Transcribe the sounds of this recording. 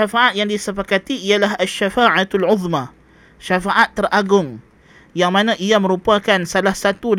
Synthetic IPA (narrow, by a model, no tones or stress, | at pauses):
afaʔat̪̚jaŋdisəfakat̪iialaɦaʃːafaʕat̪alʕʊðma | ʃafaʔat̪ːərʔaɡʊŋ | jaŋmanãʔiamə̃ɾupakansalahsat̪ud